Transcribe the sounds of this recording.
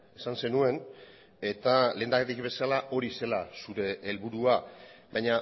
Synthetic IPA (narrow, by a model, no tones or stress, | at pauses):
esanse̞nue̞n | e̞t̪ale̞ːnd̪aket̪ikβe̞salaʔo̞ɾise̞lasuɾe̞ʔːlβuɾuabajɲa